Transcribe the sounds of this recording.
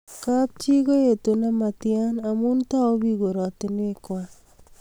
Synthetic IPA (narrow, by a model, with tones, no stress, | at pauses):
kap̚t͡ʃi˦ko˦je˨tu˨na˦matjana˨munta˦o˦bi˦ɡo˨ɾɔ˨ti˦n˦e˦kwa